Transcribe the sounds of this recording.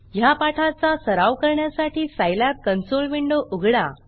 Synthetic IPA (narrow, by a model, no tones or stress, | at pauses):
japaʈʰat͡sasəɾaʋkəɾɳjasaʈʰiːsajlap̚kənsolʋiɳɖoʔuɡʱɽa